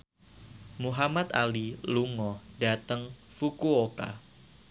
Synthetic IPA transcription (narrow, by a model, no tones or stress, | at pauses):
muɦamat̪a̰liluŋɔhdat̪əŋ | fukuoka̰